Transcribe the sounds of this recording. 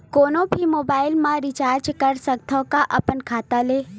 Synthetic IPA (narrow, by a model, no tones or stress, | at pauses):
koːnõbʱimoːbaːɪlmãɾɪt͡ʃaːɾd͡ʒkəɾsək̚t̪ʰəkaʔɐpənkʰaːt̪aleː